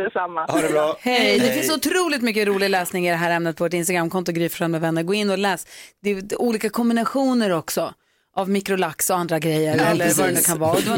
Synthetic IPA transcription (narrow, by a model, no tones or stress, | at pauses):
ɛsamːaaɾɛɾhɛjd̪ɛfɪnsʊt̪ʰɾuːlɪt̪mʏkːəɾuːlɪɡalɛːsnɪŋɪd̪ɛɦæːɾɛmnət̪pʰɔvoːʈ̬ɪnst̪aɡɾamkʰɔnt̪ʊɡɾyːpfœɾhalmɛvɛnːəɾɡoːɪnːɔlɛːsd̪ɛuːliːkakʰɔmbɪnaɧuːnəɾɔksɔ | ʔavmɪkɾʊlaksɔand̪ɾaɡɾɛjːəɾɛlːəɾvaɾɛnʉkʰanvɑːɔd̪ɛv